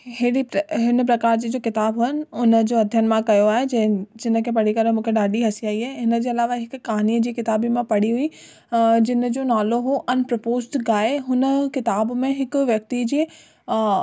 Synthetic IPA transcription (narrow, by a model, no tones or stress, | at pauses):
hɪiɦɪnəpɾɐkaːɾd͡ʑiːd͡ʑoːkɪt̪aːbɦʊɪnɪ̆ʊnə̆d͡ʑoːɐd̪ʱjənmãkɐjoaːɦeɐd͡ʑɪnə̆kʰepɐɽ̤ikɐɾə̃mũːkʰeɖaːɗiɦɐsiaːiɦaːeɦɪnə̆d͡ʑeːɐlaːʋaɦɪkːaɦaniəd͡ʑiːkɪt̪aːbimãpɐɽ̤iɦʊi | d͡ʑɪnəd͡ʑoːnaːloɦoʔɐnpɾɐpoːzʈɡaːeɦʊnəkɪt̪aːbmẽɦɪkʋjɐk̚t̪id͡ʑeː